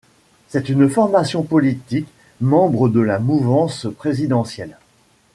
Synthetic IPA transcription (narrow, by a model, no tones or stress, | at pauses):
sɛt̪ynfɔʁmasjɔ̃pɔlit̪ik | mɑ̃bʁəd̪əlamuvɑ̃spχezid̪ɑ̃sjɛl